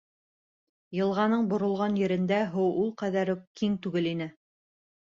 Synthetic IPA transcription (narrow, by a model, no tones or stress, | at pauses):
jɤ̆lˠʁɑnɤɴbŏɾŏlˠʁɑnjɘ̆ɾɘ̆nd̪æɦɤwulˠqæðæɾɘkiŋt̪ʉɡɘlinɘ